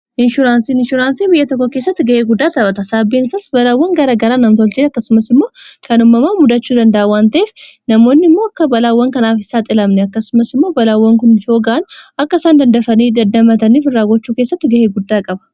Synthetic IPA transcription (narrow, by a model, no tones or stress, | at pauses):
ʔɪnʃʊɾaːnsiːnɪʃʊɾaːnsiːbɪjɐt̪ɔkːokeːsːɐt̪ːɪɡɐʔeːɡʊd̪ːaːt̪ɐbɐt̪ɐsaːbiːnɪsasbɐlaːwːɐŋɡɐɾɐɡɐɾaːnɐmt̪ɔlt͡ʃɪɐkːɐsʊmɐsɪmːo̞ːkʰɐnʊmːɐmaːmʊd̪ɐt͡ʃːuːd̪ɐnd̪ɐʔawaːnt̪ɐʔeːf | nɐmo̞ːnːɪmːoːɐkːɐbɐlaːwːɐŋkɐnaːfɪsaːt̪ʼɪlɐmnɛɐkːɐsʊmɐsɪmːo̞ːbɐlaːwːɐŋkʊnjo̞ːɡaʔnʔɐkːɐɪsaːnd̪ɐnd̪ɐfɐniːd̪ɐd̪ɐmɐt̪ɐniːfɪrːaːɡɔt͡ʃːuːkeːsːɐt̪ːɪɡɐheːɡʊd̪ːaːkʼɐbɐ̥